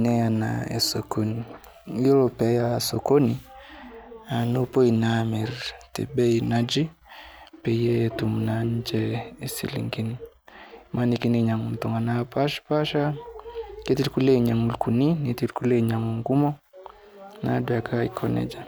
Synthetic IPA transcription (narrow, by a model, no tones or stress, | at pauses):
nɛana̰ɛ̰sɔkɔni | ilɔpɛjasɔkɔni | anupɔinamiɾtɛ̰bɛinad͡ʒi | pɛjɛtumunaɲ̩d͡ʒɛːsḭlḭŋɡini | manikiniɲaŋuntɔŋanapaʃpaʃa | kɛtiɾikulɛɲaŋulkuninitiɾkulɛɲaŋuŋɡumɔ | na̰duakʰaikʰɔnɛ̰d͡ʒa